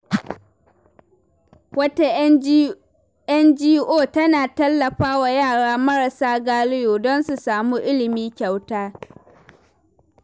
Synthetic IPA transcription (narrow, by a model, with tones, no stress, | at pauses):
wɐ˦ta˦ | ʔɐ˦nd͡ʒiː˦ʔoː˦˨tɐ˦naː˨tɐ˦lːɐ˨ɸaː˦wa˨jaː˦˨ɽaː˦mɐ˦ɽɐ˨saː˦ɡaː˦lɪ˦joː˨dɔ˦nsu˨saː˨muː˦ʔɪ˦lɪ˨miː˦kʲa˨wtaː˦